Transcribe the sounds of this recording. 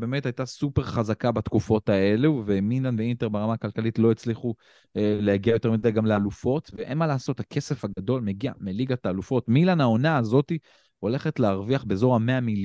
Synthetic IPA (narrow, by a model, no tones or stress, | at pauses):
bemetajt̪asupe̞ʁχazakabat̪kufo̞tae̞luvemilanveint̪e̞ʁbeʁamaːkalkalitlo̞et͡sliχu | eleaɡiajo̞te̞midajɡamlealufo̞t̪veʔenmalaːso̞thakʰe̞se̞faɡad̪o̞lme̞ɡia̰meliɡat̪aːlufo̞tmilanao̞naːzo̞ti | o̞le̞χetleaʁviaχbezo̞ʁameamil